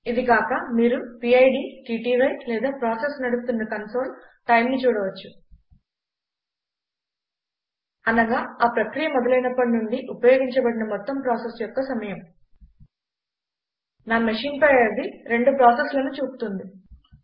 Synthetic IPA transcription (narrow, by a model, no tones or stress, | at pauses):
id̪ikaːkɐmiːɾupiɐjɖiːʈiːʈiːʋɐjlɛːd̪aːpɾaːsesnɐɽust̪unːɐkɐnso̞ːl | ʈɐjmnit͡ʃuːɽɐʋɐt͡ʃːu | ɐnɐɡaːaːpɾɐkɾijɐmɔd̪ɐlɐjnɐpːɐɽinuɳɖiʔupɐjoːɡiɲt͡ʃɐbɐɽinɐmɔt̪ːɐmpɾaːsesjɔkːɐsɐmɐjɐm | naːmɐʂiːnpɐjɐd̪iɾe̞ɳɖupɾaːseslɐnut͡ʃuːpu̥t̪und̪i